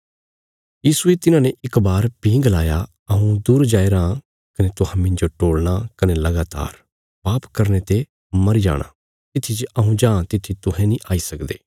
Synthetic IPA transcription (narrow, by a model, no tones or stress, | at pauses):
jiːsuet̪ɪnãːneʔɪkbaːɾpĩːɡlaːja | ɐɦũd̪uːɾd͡ʒaːeɾãː | kɐnet̪ʊɦãmɪ̃ɲd͡ʒoʈoːɽñakɐnelɐɡaːt̪a̰ːɾ | paːpkɐɾnet̪e | mɐɾid͡ʒa̰ːɽ̃a̰ː | t̪ɪt̪ʰit͡ʃɐɦũd͡ʒãːt̪ɪt̪ʰːit̪ʊɦɛ̃nĩːʔaːiːsɐkd̪ḛː